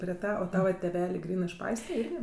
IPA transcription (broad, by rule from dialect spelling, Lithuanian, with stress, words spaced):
pʲrʲiɛ ˈtɑː oː ˈtɑːʋɐ tʲeːˈʋʲæːlʲeː ˈɡrʲiːnɜ ɪʃ ˈpɐɪsʲtʲrʲɛ ˈɪrʲɡʲɪ